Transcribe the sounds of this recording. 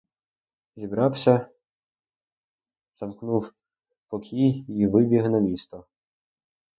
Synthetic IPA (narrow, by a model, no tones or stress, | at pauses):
zʲibɾɑwsʲɐ | z̥ɐmknuw | pɔkʲʰijiʋɪbʲiɦnɐmʲist̪ɔ